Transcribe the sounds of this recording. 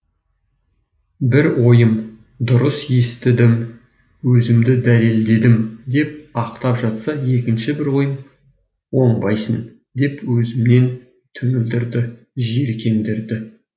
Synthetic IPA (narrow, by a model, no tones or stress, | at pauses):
bɪɾwo̞jəm | d̪ʊɾəsjest̪ɪd̪ɪm | wɵzɪmd̪ɪd̪æle̞ld̪e̞d̪ɪmd̪e̞p̚ɑqt̪ɑpʒɑt̪sɑje̞kʲɪnʃɪbɪɾwo̞jəm | wo̞ɴbɑjsən | d̪e̞pwɵzɪmne̞n | t̪ʰʏŋɪld̪ɪɾd̪ɪ | ʒe̞ɾkʲʰe̞md̪ɪɾd̪ɪ